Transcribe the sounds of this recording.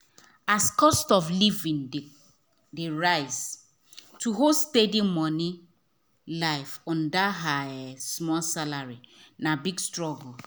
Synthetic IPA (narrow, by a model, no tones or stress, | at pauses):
askɔstɔflivĩn | deɹaɪs | tʰuɦostedimɔni | laɪfɔ̃ndaɦajasmɔlsalaɹinabiɡstɹɔɡl